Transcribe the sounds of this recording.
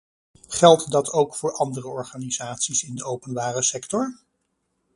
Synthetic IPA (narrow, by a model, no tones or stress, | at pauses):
χɛlˠtdɑtʰowkfʊːɹʔɑndərəɔɹχaːnizaːtsisɪndəowpənbaːrəsɛktɔɹ